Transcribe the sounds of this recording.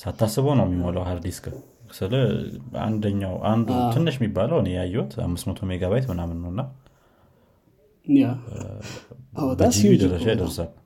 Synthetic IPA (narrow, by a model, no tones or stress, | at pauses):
sat̪ʰːasːɨβonəwmːimːolawhaɾd̪iskə | sɨləa̰nd̪əɲːawʔand̪ʰɨnːɨʃmːibːaləwɨnejajːɛwɔt̪a̰mːɨsmət̪ʰomeɡaβajt̪mɨnamɨnːəwnːa | a | b̪ɨid̪əɾːəʃajid̪əɾsal